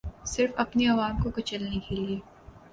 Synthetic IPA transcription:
sɪɾfɐpniɐʋaːmkokɐt͡ʃɐlnẽkʰeːlieː

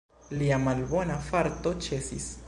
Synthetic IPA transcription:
liamalbo̞nafaɾto̞t͡ʃe̞sḭs

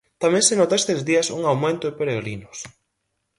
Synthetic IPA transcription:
t̪amẽŋsenot̪aest̪ezðiɐsuŋawmẽnt̪oðepeɾeɣɾinʊs

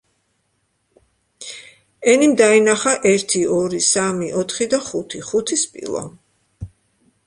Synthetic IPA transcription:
ɛnimd̪ainaχaʔɛɾt̪ʰiɔɾisamiʔɔt̪ʰχid̪aχut̪ʰiχut̪ʰispʼḭlˠɔ̰

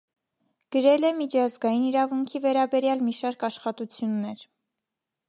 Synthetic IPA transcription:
ɡ̥əɾɛlɛmit͡ʃʰɑzɡɑjiniɾɑvuŋkʰivɛɾɑbɛɾjɑlmiʃɑɾkɑʃχɑt̪ut͡sʰjunːɛɾ

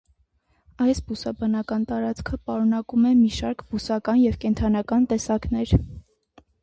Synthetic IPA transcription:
ɑjsbusɑbɑnɑkɑnt̪ɑɾɑt͡skʰəpɑɾunɑkumɛmiʃɑɾkb̥usɑkɑnjɛvkɛnt̪ʰɑnɑkɑnt̪ɛsɑknɛɾ

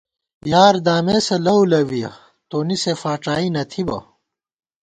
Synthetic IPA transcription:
jaːɾd̪aːmeːsɐlɐulɐwijɐ̰ | t̪oːnisefaːʈ͡ʂaːinɐt̪ʰibɐ̰

